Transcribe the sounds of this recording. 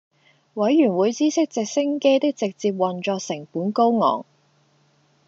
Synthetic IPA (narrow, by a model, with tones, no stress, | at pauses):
wɐ˨˥jːyː˨˩nwuː˨˧jt͡siː˥sɪ˥k̚t͡sɪ˨k̚sɪ˥ŋke˥jt̪ɪ˥k̚t͡sɪ˨k̚t͡siː˧p̚wɐ˨nt͡ʃɔː˧k̚sɪ˨˩ŋpuː˨˥nko˥wŋɔ̰ː˨˩ŋ